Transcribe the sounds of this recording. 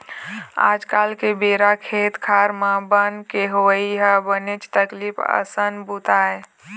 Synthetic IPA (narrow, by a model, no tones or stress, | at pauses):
a̰ːd͡ʒkaːlkebeɾakʰeːt̪kʰaɾmãbənkeɦoiɦəbənet͡ʃt̪əklipə̰sənbut̪ae